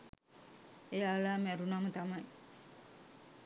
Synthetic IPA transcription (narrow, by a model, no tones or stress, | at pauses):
ejalaːmɛɾunamət̪amɐj